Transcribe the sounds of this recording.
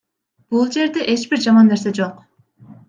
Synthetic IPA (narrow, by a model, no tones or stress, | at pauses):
b̥ulˠd͡ʒe̞ɾd̪e̞ʔe̞t͡ʃb̥iɾd͡ʒɑmɑnːe̞ɾs̬e̞d͡ʒoq